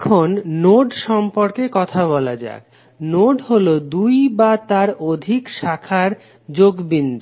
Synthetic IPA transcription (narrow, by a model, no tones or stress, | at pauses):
kʰonːoɖʃɔmpoɾkekɔt̪ʰaβɔlad͡ʑa̰k | noɖɦolod̪ujbat̪aɾod̪ʱikʃakʰaɾ | d͡ʑoɡbind̪i